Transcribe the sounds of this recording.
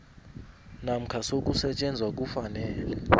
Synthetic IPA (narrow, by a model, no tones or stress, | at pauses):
nam̩kʰasok̬ʼusɛt͡ʃʼend͡zʱwak̬ʼufanɛːlɛ